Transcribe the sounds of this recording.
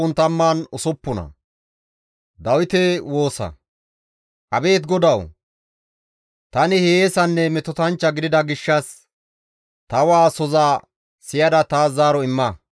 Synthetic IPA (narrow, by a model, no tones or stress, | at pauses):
ʊnt̪ɐmːaːnʊsɔpːʊnɐ̰ | d̪ɐwɪt̪ɛwo̞ːsɐ̰ | ʔɐbe̞ːt̪ɡɔd̪ɐw | t̪ɐnɪheeːsɐnːɛmɛt̪ɔt̪ɐnt͡ʃːɐɡɪd̪ɪd̪ɐɡɪʃːɐs | t̪ɐwaːsɔzaː | sɪjɐd̪ɐt̪aːaːɾɔɪmːɐ